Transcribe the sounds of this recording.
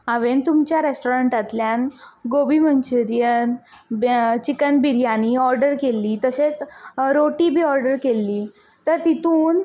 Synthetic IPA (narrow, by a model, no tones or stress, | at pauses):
aʋent̪umt͡ɕjaɾesʈoɾəɳʈat̪ljanɡobimənt͡ɕuɾjən | bt͡ɕikənbiɾjaniɔɾɖəɾkelːiːt̪əɕet͡sɾoʈibʱiːɔɾɖəɾkelːiː | t̪əɾt̪it̪uːn